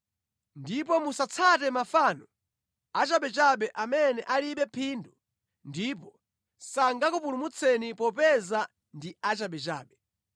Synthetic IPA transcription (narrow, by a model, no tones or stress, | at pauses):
ndipɔmusat͡sʰatɛmafaːnɔ | at͡ʃaɓɛt͡ʃaɓɛʔamɛnɛʔaliɓɛpʰindu | ndipɔ | saŋɡakupulumut͡sʰɛnipɔpɛza | ndiat͡ʃaɓɛt͡ʃa̰ːɓɛ